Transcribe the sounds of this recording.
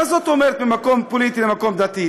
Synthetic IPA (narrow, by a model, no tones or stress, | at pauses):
azot̪omeʁet̪̚bemako̞mpolit̪ilemako̞md̪at̪i